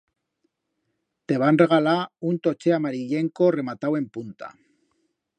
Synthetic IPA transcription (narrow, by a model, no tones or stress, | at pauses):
t̪e̞β̞anre̞ɣ̞alaunt̪o̞t͡ʃeamaɾiʎe̞ŋkore̞mat̪awe̞mpunt̪a̰